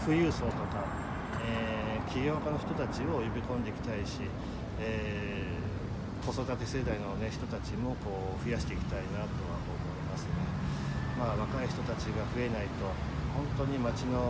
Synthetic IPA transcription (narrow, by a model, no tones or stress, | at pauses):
ɸɯ̟jɯ̟ːso̞ːt̪o̞ka | e | kʲiɡʲo̞ːkano̞çi̥t̪o̞t̪at͡ɕio̞jobʲikõnd̪e̞ikʲi̥t̪aiɕi | eː | ko̞so̞d̪at̪e̞se̞d̪aino̞ne̞çi̥t̪o̞t̪at͡ɕimo̞ko̞ː | ɸɯ̟jaɕi̥t̪eikʲi̥t̪ainat̪o̞βa̰oːmo̞imasɨnemaːβakaiçi̥t̪o̞t̪at͡ɕiɡaɸɯ̟e̞nait̪o̞ | hõ̞nt̪o̞ɲ̟imat͡ɕino̞